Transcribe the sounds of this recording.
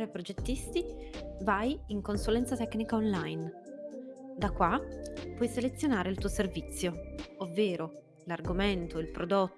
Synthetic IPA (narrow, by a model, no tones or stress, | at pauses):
ɾepɾod͡ʒet̪ːist̪ivajiŋkonsulɛnt̪sat̪ɛknikaonlajn | d̪akːwapːwɔjselet̪sːjonaːɾeilt̪uːoservit̪sːjoovːeːɾo | larɡoment̪oilpɾod̪ot̪ː